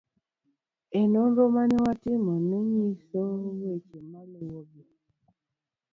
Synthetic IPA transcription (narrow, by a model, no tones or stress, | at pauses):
enoɾomaniwatimonuɲisowet͡ʃemalewobe